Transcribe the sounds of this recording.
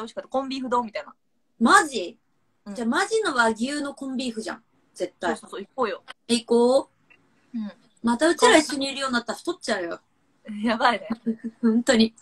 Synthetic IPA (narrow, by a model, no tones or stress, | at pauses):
oɕi̥kat̪ːkõ̞mbʲiɸɯ̟d̪o̞ːmʲit̪aina̰ | maʑĩ | d͡ʑamaʑino̞βaɡʲijɯ̟ːno̞kõ̞mbʲiɸɯ̟ʑã̰ŋ | z̥e̞t̪ːaiooikoːjoikoː | ɯ̃ɴ | mat̪aɯ̟t͡ɕiɾaiɕːo̞ɲ̟iiɾɯ̟joːnːat̪ːaɾaɸɯ̥t̪otːt͡ɕaɯ̟jo | jabainehõnt̪o̞ɲ̟i